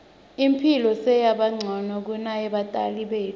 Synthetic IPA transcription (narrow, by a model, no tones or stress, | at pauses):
impʰilɔsɛjaɓaŋ͡ǀʱɔnɔk̬unajɛɓatʼa̰liɓeː